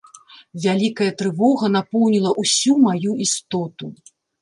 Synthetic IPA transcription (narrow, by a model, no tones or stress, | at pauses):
vʲalʲikɐjɐt̪ɾɨvɔɣɐn̪apɔwnʲilˠɐʔusʲumajuist̪ɔt̪u